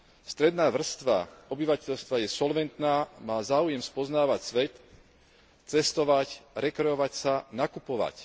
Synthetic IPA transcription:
st̪ɾɛd̪naːʋr̩st̪ʋa̰ɔbiʋacɛʎst̪ʋajɛsɔlʋɛnt̪naːmaːzaːujɛmspɔznaːʋacsʋɛt̪ | t͡sɛst̪ɔʋacɾɛkɾɛɔʋacsanakupɔʋa̰c

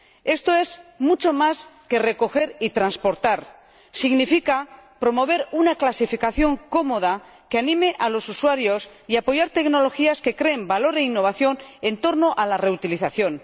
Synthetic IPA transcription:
e̞st̪o̞e̞zmut͡ʃo̞maske̞re̞ko̞xe̞ɾit̪ɾanspo̞ɾt̪aɾ | siɣnifikapɾo̞mo̞β̞e̞ɾunaklasifikaθjo̞ŋko̞mo̞ð̞a | keanĩmeʔalo̞suswaɾjo̞s | iapo̞ʝaɾt̪e̞kno̞lo̞xiaske̞kɾe̞ːmbalo̞ɾe̞inːo̞β̞aθjo̞ne̞nt̪o̞ɾno̞ʔalare̞ut̪iliθaθjo̞n

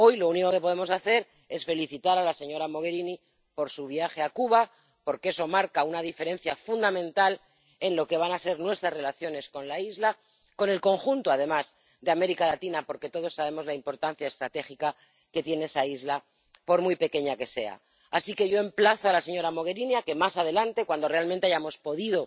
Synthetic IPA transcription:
o̞jlo̞uniko̞ke̞po̞ð̞e̞mo̞saθe̞ɾ | e̞sfe̞liθit̪aɾalase̞ɲo̞ɾamo̞ɣ̞e̞ɾini | po̞ɾsuβjaxeakuβa | po̞ɾkee̞so̞maɾkaunað̞ife̞ɾe̞nθjafund̪amẽnt̪al | e̞nlo̞ke̞β̞anase̞ɾnwe̞st̪ɾasre̞laθjo̞ne̞sko̞nlaizla | ko̞ne̞lko̞ŋxunt̪oað̞e̞maz | ðeame̞ɾikalat̪inapo̞ɾke̞t̪o̞ð̞o̞sːaβe̞mo̞zlaimpo̞ɾt̪anθjae̞st̪ɾat̪e̞xika | ke̞t̪je̞nee̞saizla | po̞ɾmujpe̞ke̞ɲake̞se̞̰a̰ː | sike̞ʝo̞e̞mplaθoalase̞ɲo̞ɾamo̞ɣe̞ɾiniake̞masaðe̞lant̪e̞kwand̪o̞realment̪eajamo̞spo̞ðiðo̞

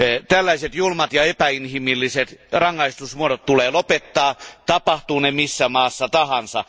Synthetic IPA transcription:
t̪ælːæiset̪julmɑt̪jɑepæinhimilːiset̪rɑŋːɑist̪usmuoɾot̪t̪uleːlopet̪ːɑːt̪ɑpɑht̪uːnemisːæmɑːsːɑt̪ɑhɑnsɑ̰

